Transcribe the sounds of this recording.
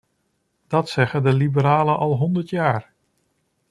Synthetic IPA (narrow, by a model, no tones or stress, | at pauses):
d̥ɑtsɛχədəlibəɾaːlənʔɑlˠɦɔndəɹtjaːɹ